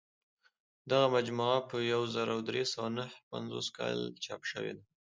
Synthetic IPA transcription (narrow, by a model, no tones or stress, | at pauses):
d̪aɣamad͡ʒmuʕapəjawzaɾawd̪ɾesawanahpa̰nzo̰skɑ̰lt͡ʃɑpʃə̰wḛd̪a